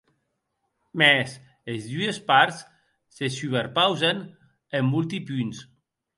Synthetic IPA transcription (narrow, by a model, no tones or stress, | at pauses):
mɛs | ezðuespaɾsː | esyβeɾpawzen | emːulˠt̪ipyns